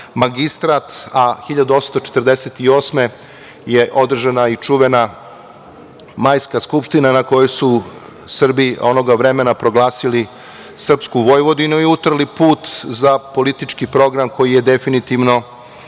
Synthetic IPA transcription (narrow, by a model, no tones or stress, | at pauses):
maɡist̪ɾat̪axiʎad̪uot̪st̪ot͡ʃe̥t̪rd̪eset̪io̞ːsme̞ | jeʔo̞d̪r̩ʒanait͡ʃuʋena | maːjskaskupʃt̪inanako̞josu | sr̩bio̞̰noɡaʋɾemenapɾo̞ɡlˠaːsili | sr̩pskuʋo̞jʋo̞d̪inuiut̪r̩lipuːt̪zapo̞lit̪it͡ʃkipɾo̞ɡɾamko̞jije̞d̪e̞finit̪iʋno̞